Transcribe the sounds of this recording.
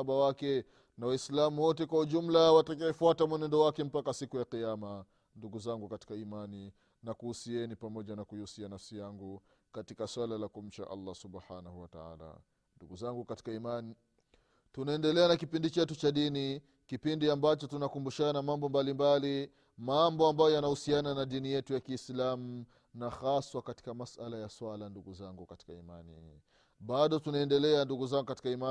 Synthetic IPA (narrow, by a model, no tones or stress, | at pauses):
ɓawakɛ | nawaislamuwɔtɛkwahuʄum̩lawatakaɛfuatamwɛnɛndɔwakɛm̩pakasikujaqijama | nduɡuzaŋɡukati̥kaimani | nakuusiɛnipamɔʄanakujiusianafsijaŋɡu | katikaswalalakum̩t͡ʃa̰ʔa̰lːasubħanahuwata̰a̰la̰ | nduɡuzaŋɡukati̥kaimani | tunaɛndɛlɛanakipindit͡ʃɛtut͡ʃaɗini | kipindiambat͡ʃɔtunakumbuʃanamambɔmbalimbali | mambɔambajɔjanahusiananaɗinijɛtujakiːslamu | naxaswakati̥kamasʔalajaswalanduɡuzaŋɡukati̥kaimanḭ | ɓaɗɔtunaɛndɛlɛanduɡuzaŋɡukati̥kaima